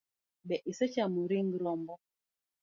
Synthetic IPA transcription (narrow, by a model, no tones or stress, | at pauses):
ɓɛʔisɛt͡ʃamuɾiŋɡlɔmbɔ